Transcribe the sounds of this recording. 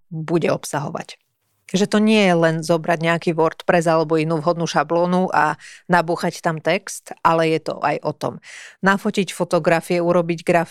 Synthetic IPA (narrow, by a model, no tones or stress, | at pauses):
buɟɛɔpsaɦɔ̰ʋa̰c | ʒɛt̪ɔɲɪɛjɛlɛnzɔbɾaɟɲɛakiːʋɔɾt̪pɾɛzalɛbɔinuːvɦɔd̪nuːʃablɔːnuʔanabuːxact̪amt̪ɛkst̪ʔalɛjɛt̪ɔ̰ʔa̰jʔɔt̪ɔ̰mnafɔcicfɔt̪ɔɡɾafiɛuɾɔbiɟɡɾaf